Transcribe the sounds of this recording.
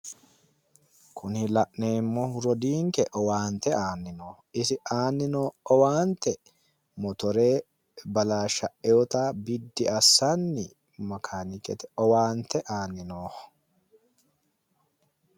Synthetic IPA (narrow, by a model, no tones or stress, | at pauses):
kʰʊnhɪlɐʔneːmːɔhʊɾɔd̪iːŋkɛʔɔwaːnt̪ɛaːnːɪnoː | ɪsɪʔaːnːɪnoːɔwaːnt̪ɛ | mɔt̪ɔɾe̞ː | bɐlaːʃɐʔɛɔt̪aːbɪd̪ːɪɐsːɐnːɪ | mɐkʰaːnɪkʼɛt̪ɛɔwaːnt̪ɛʔaːnːɪnoːh